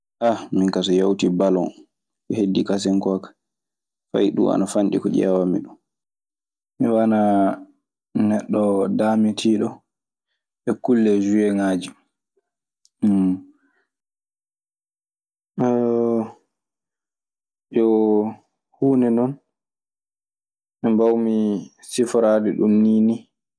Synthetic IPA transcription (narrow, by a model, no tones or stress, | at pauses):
ʔamiŋkas̬ɔjawtibalɔn | ʔɛhedːikas̬ɛŋkɔkḁ | fa̰jɗṵma̰nafanɗikɔʄɛ̰wamḭɗun | miwana | nɛɗːɔdamitʰiɗɔ | ʔɛkulːɛd͡ʒujɛŋaːd͡ʒi | jɔ | huːnɛnɔn | ʔɛmbawmi | sifɾadiɗumniːni